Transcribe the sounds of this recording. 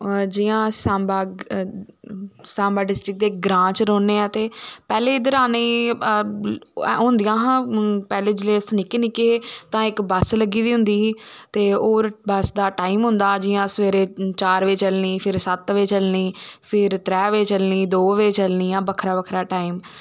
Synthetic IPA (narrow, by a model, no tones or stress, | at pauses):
d͡ʒɪjãːsãːmbaː | sãːmbaːɖɪsʈɾɪk̚d̪eːɡɾãːt͡ʃɾoːneːãːt̪eːpɛːleːɪd̪əɾaːneː | ɦʊ̃nd̪ɪjãːɦãːpɛːleːd͡ʒleːsənɪkeːnɪkːeːt̪ãːɪkbəsləɡiːd̪iːɦʊ̃nd̪iːt̪eːoːɾbəsd̪aːʈaːimɦʊ̃nd̪aːd͡ʒɪjãːsəʋeːɾeːt͡ʃaːɾʋeːt͡ʃəlniːpʰɪɾsət̪ʋeːt͡ʃəlniːpʰɪɾt̪ɾɛːʋeːt͡ʃəlniːd̪oːʋeːt͡ʃəlniːãːbəkʰɾaːbəkʰɾaːʈaːiːm